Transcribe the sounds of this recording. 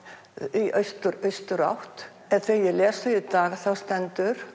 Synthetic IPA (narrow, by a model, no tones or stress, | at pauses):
iʔœɥst̪ʏɾœɥst̪ʏɾa̰wht̪ | ɛnθvejɛlɛːsʏit̪aːɣθawst̪ɛnt̪ʏɾ̥